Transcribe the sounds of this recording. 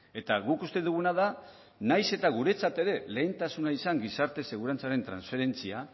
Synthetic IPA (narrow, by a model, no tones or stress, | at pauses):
e̞t̪aɣukust̪e̞ðuɣ̞unað̞a | najse̞t̪aɣ̞uɾe̞t͡sat̪e̞ɾe̞le̞ːnt̪asunaisaŋɡisaɾt̪e̞se̞ɣuɾant͡saɾe̞nt̪ɾa̰nsfe̞ɾe̞nt͡sia